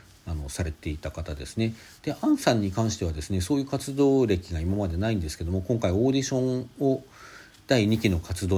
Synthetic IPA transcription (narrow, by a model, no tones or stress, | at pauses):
ano̞saɾe̞t̪e̞it̪akat̪ad̪e̞sɨne̞ | d̪̥e̞ʔãɰ̃sãɲ̟ːikãɰ̃ɕi̥t̪e̞βad̪e̞sɨne̞so̞ːjɯ̟ːkat͡sɨd̪o̞ːɾe̞kʲiɡaimamad̪e̞naĩnd̪e̞sɨ̥ke̞d̪o̞mokõŋkaio̞ːd̪ʲiɕõ̞ŋo | d̪̥aiɲ̟ikʲino̞kʰat͡sɨd̪oː